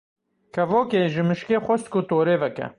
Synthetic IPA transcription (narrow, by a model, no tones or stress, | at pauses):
kʰɐvoːkeːʒɪmɪʃkeːxʷɔst̪kot̪oːɾeːvɛkɛ̰